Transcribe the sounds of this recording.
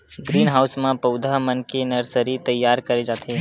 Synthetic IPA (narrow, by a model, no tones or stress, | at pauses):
ɡɾiːnɦaːʊsmãpəʊd̪ʱaɦmənkenəɾsəɾit̪ɐjːaːɾkɐɾed͡ʒaːt̪ʰe